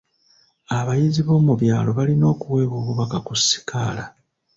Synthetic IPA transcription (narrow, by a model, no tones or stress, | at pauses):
aβajiziβo̞ːmuβjaːlo̞βalino̞ːkuwe̞ːβoːβuβakakusːi̥kaːla